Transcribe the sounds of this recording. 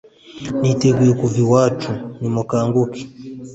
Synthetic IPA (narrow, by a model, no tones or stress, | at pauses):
nitɛɡuɛkuviwat͡ʃunimwakaŋɡuki̥